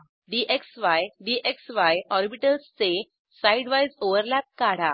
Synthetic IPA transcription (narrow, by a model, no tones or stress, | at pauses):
ɖiʔeksʋajɖiːʔeksʋajɔɾbiʈəlst͡se | sajɖʋajzoʋəɾlæp̚kaɽ̤a